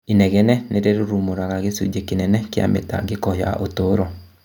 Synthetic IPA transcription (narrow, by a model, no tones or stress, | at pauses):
inɛɣɛnɛneɾeɾoɾumoɾaɣaɣesṵd͡ʒekenɛnɛkea̰mḛta̰ɡekɔja̰ʔotoɾɔ